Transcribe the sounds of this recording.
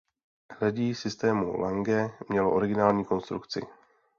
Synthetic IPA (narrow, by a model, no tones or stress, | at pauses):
laɟiːsɪst̪ɛːmṵlaŋɡɛmɲɛloʔo̞ɾɪɡɪnaːlɲiːko̞nst̪ɾukt͡sɪ̰